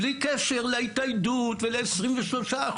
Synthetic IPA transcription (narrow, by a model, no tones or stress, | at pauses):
likeʃeʁleitajdutveleesʁimveʃlo̞ʃaː